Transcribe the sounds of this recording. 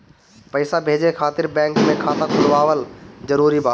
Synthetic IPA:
pɐɪsabʱeːd͡ʑekʰaːt̪ɪɾbɛ̃ːŋkmẽkʰaːt̪ãkʰʊɽʋaːʋəlzɐɾuːɾibʱaː

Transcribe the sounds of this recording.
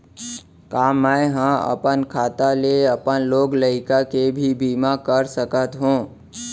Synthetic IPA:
kaːmːəjɦãə̰pənkʰaːt̪aleəpənloːɡləɪkakebʱibiːmakəɾsəkət̪ɦũː

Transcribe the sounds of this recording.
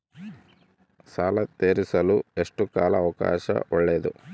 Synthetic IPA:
saːlɐt̪eːɾisɐlue̞ʂʈukaːlɐːʋɐka̰ːʃɐ̰ʔɔɭːeːd̪ṵ

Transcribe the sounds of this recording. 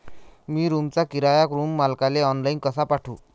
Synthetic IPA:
miɾumt͡sakiɾajakɾumːalkaleɔnlajnkʌsʰapaʈʰṵ

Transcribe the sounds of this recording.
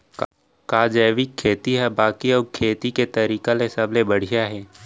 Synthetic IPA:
k | kaːd͡ʒəːʋɪkʰːeːt̪iɦɛbaːkiɐkʰeːt̪iket̪ɐɾiːkalesɐblebɐɽ̤ijaɦɛː

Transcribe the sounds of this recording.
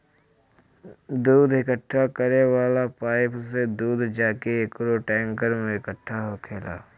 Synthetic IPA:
d̪uːd̪ʱɪkəʈʰːakəɾewaːlapaːɪpsed̪uːd̪d͡ʒaːkeɪkɾoʈɛ̃ːŋkəɾmẽɪkəʈʰːaɦokʰeːla̰ː

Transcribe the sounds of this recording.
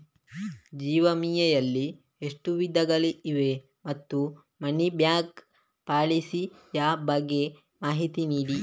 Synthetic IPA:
d͡ʒiːʋɐmiːjɐjɐlːi | eʂʈuʋid̪ɐɡɐɭiʔiʋe | mɐt̪ːu | mɐnibjaːk | paːɭisi | jaːbɐɡːe | maːɦit̪iniːɽi

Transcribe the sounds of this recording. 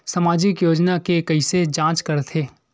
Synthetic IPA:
sɐmaːd͡ʒɪkjoːd͡ʒnakekɐised͡ʒãːt͡ʃkɐɾt̪ʰeː

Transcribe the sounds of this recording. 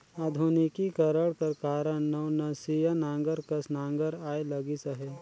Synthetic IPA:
aːd̪ʱunikikɐɾəɽkɐɾkaːɾəɳnɐwnɐsijanãːŋɡəɾkɐsnãːŋɡəɾaːelɐɡisɐɦe

